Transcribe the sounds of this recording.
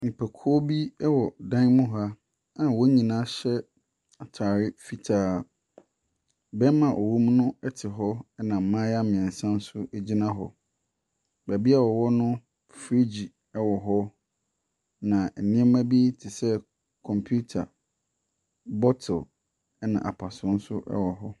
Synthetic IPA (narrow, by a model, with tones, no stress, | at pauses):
mĩ˨pʰæ˨kʰɔ˦bi˦ɛ˦wɔ˨dã˦nmʊ̃˦ɦa˦ | ã˨wɔ˦ɲĩ˨nãː˦ɕɛ˦ | a˨tʰaː˨ɾɪ˦fi˨tʰaː˦˨ | bɛ˦mã˨ʔo˨wu˦m˦nʊ̃˦ɛ˦tʰɪ˨ɦɔ˦ɛ˦nã˨m̩˨mã˦ja˦mɪ̃˨ɛ̃˨n˨sã˦n˦sʊ˦ʔɛ˦d͡ʑi˦nã˦ɦɔ̰˨ | bæ˨bi˦a˦˨wɔ˨wɔ˦nʊ̃˦ | fɾi˦d͡ʑi˨ | ɛ˦wɔ˨ɦɔ˦ | nã˨ɛ˨nĩ˦ɛ˦mã˦bi˦tʰɪ˨sɛ˦ | kʰɔ̃˨mpʰu˦tʰa̰˨ | bɔ˦tʰɛ˨l | ɛ˦nã̰˨ʔa̰˨pʰa˨sʊ̃˨˦n̩˦sʊ˦ʔɛ̰˦wɔ˨ɦɔ˦